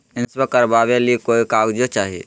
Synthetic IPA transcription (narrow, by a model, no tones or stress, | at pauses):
ɪnsbekəɾbaβelikoikaɡd͡ʒjot͡ʃaːɦḭ